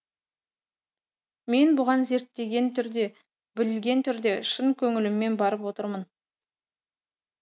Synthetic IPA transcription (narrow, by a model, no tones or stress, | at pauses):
me̞nbʊʁɑnze̞ɾt̪ːe̞ɡʲe̞nt̪ʰʏɾd̪e̞ | bɪlɪlɡʲe̞nt̪ʰʏɾd̪e̞ʃəŋkʲʰɵŋɪlɪmːe̞nbɑɾəpwo̞t̪əɾmən